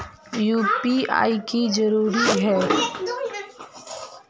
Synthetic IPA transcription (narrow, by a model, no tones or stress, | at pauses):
juːpia̰ːikizɐɾuːɾiɦɛː